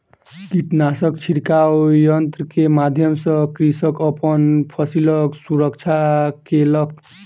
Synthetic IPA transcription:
kiʈnasʌkt͡ʃʰiɽkawjʌnt̪rkemad̪ʱjʌmsʌkɾisʌkʌpʌnpʰʌsilʌksuɾʌkt͡ʃʰakelʌk̚

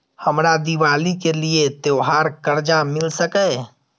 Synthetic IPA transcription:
həmɾad̪iʋalikeliet̪oɦaɾkəɾd͡ʒamɪlsəkɛ

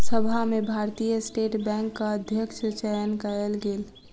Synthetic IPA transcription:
səbʱamebʱaɾt̪ijəsʈeʈbɛ̃ŋkːaəd̪ʱjəkʃʰət͡ʃəjənkəɛlɡel

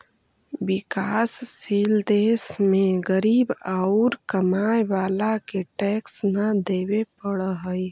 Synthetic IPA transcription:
bɪkaːsːiːld̪eːsmẽɡəɾiːbaʊɾkəmaːjʋaːlakeʈɛːksnəd̪eːwepəɽəɦəj

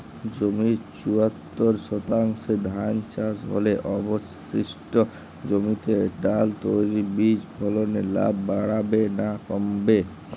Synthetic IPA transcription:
d͡ʑomiɾt͡ɕuat̪ːoɾʃɔt̪aŋʃed̪ʱant͡ɕasɦo̰leʔɔbos | iʃʈo | d͡ʑomit̪eɖalt̪ojɾibid͡ʑbʱɔlonela̰bːaɽabenakɔmbe

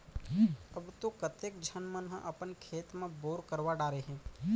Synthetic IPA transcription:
əbt̪okət̪eːk̚d͡ʒʱənmənɦə̰̃ʔɐpənkʰeːt̪mẽboːɾkəɾʋaɖaːɾeɦɛ̃ː

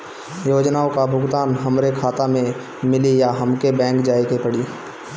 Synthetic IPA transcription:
joːd͡ʒnaːõkabʱʊɡt̪aːnɦəmɾekʰaːt̪amẽ | mɪlijaɦəmkebɛ̃ːŋkd͡ʒaːikepəɽi

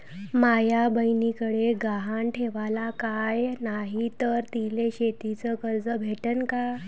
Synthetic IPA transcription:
majabəjnikəɽeɡaɦanʈʰeʋalakajnaɦit̪əɾt̪ileɕet̪it͡səkəɾd͡zəbʱeʈənka

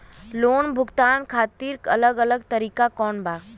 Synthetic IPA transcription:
loːnbʱʊɡt̪aːnkʰaːt̪iːɾkə̰ləɡələɡt̪əɾiːkakɔːnbaː

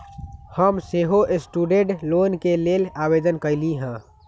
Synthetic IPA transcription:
həmseːɦoʔɪsʈuːɖẽʈloːnkeleːlaːbeːd̪ənkəɪliɦɛ̃ː

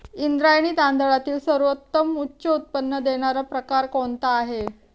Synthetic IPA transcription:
ind̪ɾajɳ̃iːt̪and̪əɭat̪iːlsəɾʋət̪ːəmutːɕəut̪̚pənːəd̪eɽ̃aɾapɾəkaɾkoɳt̪aːɦe

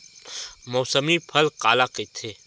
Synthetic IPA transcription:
mɔːsəmipʰɐlqaːlaket̪ʰeː

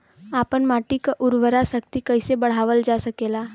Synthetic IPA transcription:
apəɳmaʈikaʔʊɾʋəɾasək̚t̪ikəjsebəɽ̤aʋəld͡ʒasəkela

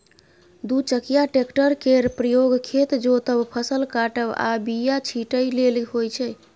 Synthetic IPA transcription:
d̪ut͡ʃəkijaʈekʈəɾkeɾpɾəjoɡkʰet̪d͡ʒot̪əbpʰəsəlkaʈəba̰bijat͡ʃʰiʈəjlelihojt͡ʃʰɛ

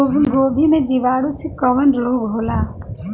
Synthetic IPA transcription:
ɡoːbʱimẽd͡ʒiʋaːɽũsekɔʋənɾoːɡɦoːlaː

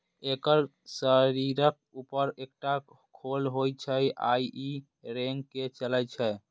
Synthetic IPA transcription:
ekəɾ | səɾiɾək̚upəɾek̚ʈa | kʰolɦojt͡ʃʰɛjʔaji | ɾeŋɡket͡ʃələt͡ʃʰɛ

